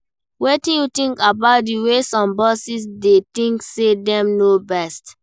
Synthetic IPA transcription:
wetĩnjutĩŋkabaʊt̚diwesɔ̃mbɔsis̬detĩŋksedɛ̃mnobɛst

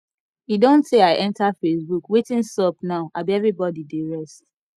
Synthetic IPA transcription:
jidõnseaɪʔɛ̃ntafesbukwetĩnsɔpnaʊʔabiɛvɹibɔdideɹɛst

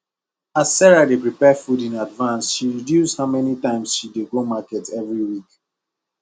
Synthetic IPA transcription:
asːɛɹadepɹipɛfudĩnadvãnsʃiɹidjusdhamɛnitãɪ̃msʃideɡomakɛtɛvɹiwik

